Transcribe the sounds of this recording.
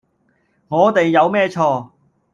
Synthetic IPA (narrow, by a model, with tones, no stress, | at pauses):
ŋɔː˨˧t̪e˨jːɐ˨˧wmɛː˥t͡ʃʰɔː˧